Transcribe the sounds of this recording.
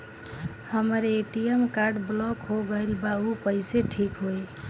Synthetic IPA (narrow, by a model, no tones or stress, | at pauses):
həməɾeʈiemkaɾɖblɔkɦoɡəjlbaupəɪseʈʰikɦoj